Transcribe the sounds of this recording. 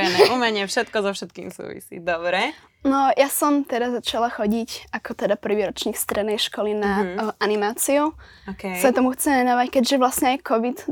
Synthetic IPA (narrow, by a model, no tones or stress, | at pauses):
ɛnɛʔumɛɲɛfʃɛt̪kɔzɔfʃɛt̪̚kḭːmsṵːʋḭsḭd̪ɔbɾɛ | nɔjasɔmt̪ɛd̪azat͡ʃalaxɔɟicakɔt̪ɛd̪apr̩ʋiːɾɔt͡ʃɲiːkst̪ɾɛd̪nɛjʃkɔlinaʔanimaːt͡siu | ɔkɛsat̪ɔmuxt͡sɛmʋɛnɔʋackɛɟʒɛʋlasɲɛajkɔʋit̪